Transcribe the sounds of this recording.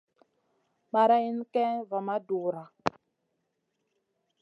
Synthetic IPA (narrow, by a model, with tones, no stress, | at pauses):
ma˨ɾa˦i˦n˦kɛ˦va˨ma˦du˨ɾa˨